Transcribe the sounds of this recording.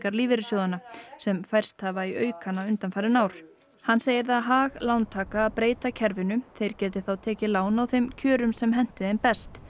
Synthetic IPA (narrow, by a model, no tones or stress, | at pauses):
kaɾliːvɪɾɪsjowðanasɛmfajr̥st̪havaiœːɥkhanːaʏnt̪anfajɾɪnaːwɾ̥ | hanːseːjɪɾðaðɦaːɣlawnt̪ʰaːkaːðpɾeːjt̪acʰɛɾvɪnʏθejɾ̥cɛːt̪ɪθawt̪ʰɛːcɪlaːwnawθejmcʰœːɾʏmsɛmɦɛn̥t̪ɪðejmpɛst̪